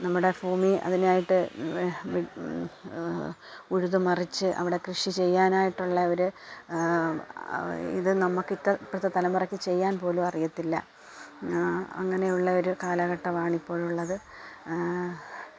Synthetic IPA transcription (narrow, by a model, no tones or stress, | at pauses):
nɐmːuɽe̞fuːmiɐ̰ðinaːjiʈːɨ | uɻuðumɐrit͡ɕːɨʔɐ̰ʋiɽe̞krɨʂit͡ɕe̞jːaːnaːjiʈːuɭːɐoɾu | ḭðɨnɐmːɐkːitːɐpːɐt̪ːɐt̪ɐlɐmurɐkʲːit͡ɕe̞jːaːnpo̞ːlumɐrijɐt̪ːilːɐ̰ | ɐ̰ŋːɐne̞juɭːɐo̞ɾukaːlɐɣɐʈːɐʋaːɳipːo̞ːɭuɭːɐðɨ